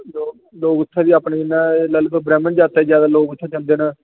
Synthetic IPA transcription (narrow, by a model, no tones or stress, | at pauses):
loː | loːɡʊt̪ʰːaːʋiːaːpneːɪnːãːləlbəbɾɛːmənd͡ʒaːt̪aːid͡ʒjaːd̪aːloːɡʊt̪ʰːaːt͡ʃə̃nd̪eːnaː